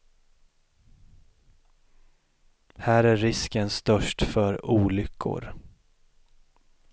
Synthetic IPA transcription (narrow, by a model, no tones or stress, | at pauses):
hæːɾæːɪskənst̪œʂʈfœɾuːlʏkʰːʊ̰ɾ